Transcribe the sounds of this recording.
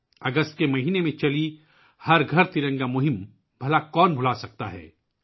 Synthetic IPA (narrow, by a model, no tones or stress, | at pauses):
ɐɡəst̪̚kemɐɦiːnemẽt͡ʃɐli | hɐɾɡʱɐɾt̪ɪɾə̃ŋɡamʊɦɪm | bʱɐlakɔːnbʱʊlasɐk̚t̪a̰ɦɛ̰ː